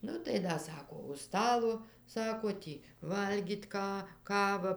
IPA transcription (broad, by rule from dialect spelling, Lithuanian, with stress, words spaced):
ˈnʊ tɐɪ ˈdɐ ˈsɑːkoː ʊʃ ˈstɑːlˠoː ˈsɑːkoː ˈtʲiː ˈʋɐlʲɡʲiːtʲ ˈkɑː ˈkɑːʋɐ